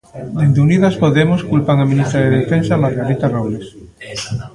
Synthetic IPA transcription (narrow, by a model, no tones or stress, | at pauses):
d̪end̪euniðaspoðemoskulpaŋamĩnist̪ɾaðeðefensamaɾɣaɾit̪arowles